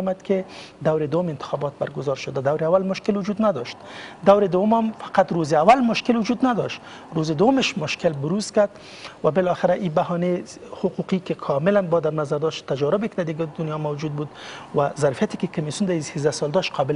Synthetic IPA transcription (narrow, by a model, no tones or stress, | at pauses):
mad̪kʰɪd̪awɾɪd̪ʊwʊmɪnt̪ɪ̥xɔbɔt̪̚baɾɡʊzɑɾʃʊd̪ad̪awɾɪawalmʊʃkɪlwʊd͡ʒud̪nad̪ɔʃt̪d̪awɾɪd̪ʊwʊmamfaqat̪ɾozɪawalmʊʃkɪlwʊd͡ʒud̪nad̪ɔʃt̪ | ɾozɪd̪ʊwʊmɪʃmʊʃkɪlbʊɾuzkaɾd̪ | wabɪlɔxɪɾaʔibahɔnehʊquqikɪkʰɔmɪlanbɔd̪aɾnazaɾd̪ɔʃt̪t̪ad͡ʒɑɾʊbɪkɪd̪ad̪ɪɡd̪ʊnjɑmawd͡ʒud̪̚bud̪wazaɾfijat̪ɪ̥kɪkʊmisjund̪aisezd̪asɔld̪ɔʃt̪qʰɒbɪl